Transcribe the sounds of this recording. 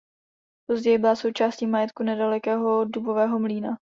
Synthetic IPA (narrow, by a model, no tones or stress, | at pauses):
po̞zɟɛjɪbɪlaso̞wt͡ʃaːsciːmajɛt̪kunɛdalɛkɛːɦo̞dubo̞vɛːɦo̞mliːna